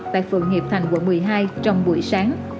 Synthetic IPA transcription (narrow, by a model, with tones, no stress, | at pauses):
t̪a̰ː˧˨jfɨ̰˨˩əŋhi˨˩p̚t̪ʰa˨˩jŋ̟kwṵ˧˩mɨ˨˩əjɦaː˧jt͡ɕɔ˧wŋ͡mɓu˧˩əjsaː˨˦ŋ